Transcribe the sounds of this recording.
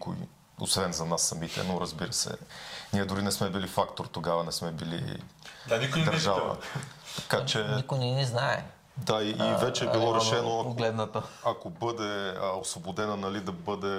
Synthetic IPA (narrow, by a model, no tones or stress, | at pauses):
ko̰ḭ | o̰svɛnzɐnasːɐmit̪ɛ̰noɾəzbiɾəsɛ̰niɛd̪ʊɾinɛsmɛbilifakt̪oɾt̪oɡavɐnɛsmɛbilḭd̪nikd̪ɐɾʒavɐ̰t̪ɐ̥kat͡ʃɛikʊjnɛniznaɛ̰ | d̪aiʔːvɛt͡ʃɛːbilˠoɾɛʃɛnopoɡlɛd̪nɐt̪əɐkobɤd̪ɛosvobod̪ɛnɐnɐlid̪ɐbɤd̪ɛ